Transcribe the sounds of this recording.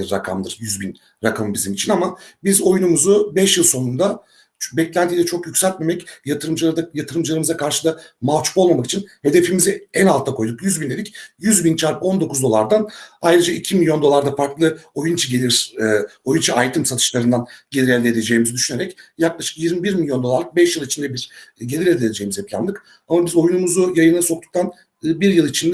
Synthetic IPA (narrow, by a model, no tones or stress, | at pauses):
iɾːakʰa̰md̪ɯɾjyzbin | ɾakʰamɯmbizimit͡ʃʰinamabizo̞junumuzubɛʃjɯlˠso̞nund̪a | bɛclʲænt̪ʰiːd̪ɛt͡ʃʰo̞kjycsɛlʲt̪̚me̞mɛcjat̪ɯɾɯmd͡ʒˠd̪jat̪ʰɯɾɯmd͡ʒɯlˠaɾɯmɯzakʰaɾʃɯd̪amavt͡ʃʰu̥po̞lˠmamaki̥t͡ʃʰinhe̞d̪e̞fimiziænalˠt̪ʰːakʰo̞jd̪ukjyzbind̪e̞d̪ʲicjyzbint͡ʃʰaɾpo̞nd̪o̞kʰuzd̪o̞lˠaɾd̪anajɾɯd͡ʒaicʰimilʲjo̞nd̪o̞lˠaɾd̪afaɾklˠɯo̞junt͡ʃʰaɟe̞lʲiɾo̞junt͡ʃʰaajt̪ʰɯmsat̪ʰɯ̥ʃlˠaɾɯnd̪anɟe̞lʲiɾɛlʲd̪ʲe̞d̪e̞d͡ʒe̞jːmizid̪yʃyneɾɛcjaklˠaʃɯ̥kjiɾmibiɾmilʲjo̞nd̪olˠaɾk̚bɛʃjɯlˠit͡ʃʰind̪ɛbiɾ̥ɟe̞lʲiɾed̪ed̪ʲed͡ʒejmizɛplʲæ̰nd̪ɯk | amabizo̞junumuzujajɯnaso̞k̚t̪u̥k̚t̪ʰanː | biɾjɯlˠit͡ʃʰind̪ɛ